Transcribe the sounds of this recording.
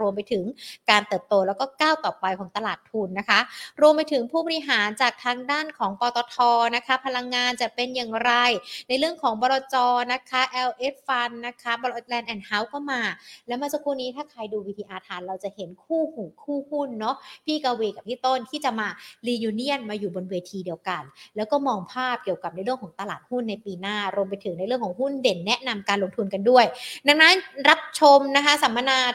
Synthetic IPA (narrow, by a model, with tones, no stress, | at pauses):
u˧əmpa˧jt̪ʰɯ˨˩˦ŋkaː˧nt̪ɤː˨˩p̚t̪oː˧lɛː˦˥wkɔː˥˩kaː˥˩wt̪ɔː˨˩pa˧jkʰɔː˩˦ŋt̪a˧laː˨˩t̪ʰːu˧nːa˦˥kʰa˦˥ɾu˧əmpa˧jt̪ʰɯ˩˦ŋpʰuː˥˩bɔ˧ɾi˧ɦaː˩˦nt͡ɕaː˨˩k̚t̪ʰaː˧ŋdaː˥˩nkʰɔː˩˦ŋpɔː˧t̪ɔː˧t̪ʰɔː˧na˦˥kʰa˦˥pʰa˧la˧ŋːaː˧nt͡ɕa˨˩pe˧njaː˨˩ŋɾa˧jna˧jɾɯ˥˩əŋkʰɔː˩˦ŋbɔː˧ɾɔː˧t͡ɕɔː˧na˦˥kʰa˦˥ʔɛː˧wʔe˦˥t̚fa˧nːa˦˥kʰa˦˥bɔ˧lt̪̚lɛː˧nʔɛː˧˩nha˦˥wkɔː˥˩maː˧lɛː˦˥wmaː˧sa˦˥kʰːuː˥˩niː˦˥t̪ʰaː˥˩kʰaː˧jduː˧wiː˧iː˧ʔaː˧t̪ʰaː˧nɾa˧wt͡ɕa˨˩ʔhe˨˩˦nkʰuː˥˩huː˨˩kʰuː˥˩hu˥˩nːɔ˦˥pʰiː˥˩kaː˧weː˧ka˨˩t̪ʰiː˥˩t̪o˥˩nt̪ʰiː˥˩t͡ɕa˨˩ʔmaː˧liː˧juː˧ni˥˩ənmaː˧juː˨˩bo˧nweː˧t̪ʰiː˧di˧əwka˧nlɛː˦˥wkɔː˥˩mɔː˧ŋpʰaː˥˩p̚ki˨˩əwka˨˩p̚na˧jɾɯ˥˩əŋkʰːŋt̪a˧la̰ː˨˩t̪̚hu˥˩nːa˧jpiː˧naː˥˩ɾu˧əmp̬a˧jt̪ʰɯ˩˦ŋna˧jɾɯ˥˩ŋkʰɔː˩˦ŋhu˥˩nde˨˩nːɛ˦˥ʔna˧mkaː˧nlo˧ŋt̪ʰu˧nka˧ndu˥˩əjda˨˩ŋ̚na˦˥nɾa˦˥p̚t͡ɕʰo˧mna˦˥kʰa˦˥sa˩˦mːa˧naː˧